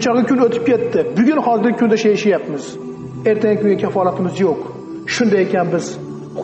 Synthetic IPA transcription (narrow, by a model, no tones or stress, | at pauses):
t͡ʃʰɒʁɪkʰʲʊnot̪ʰɪ̥p̚kʲʰe̞t̪ʰːɪbʊɡʲʊnhɒzɪɾɡʲɪkʰʊnd̪aʃajʃajapmɪz | e̞ɾt̪ʰaŋʲɪkʰʲʊŋɡʲakʲʰafɒlˠat̪ʰɪmɪzjoq | ʃʊnd̪ajekʲanbɪz̥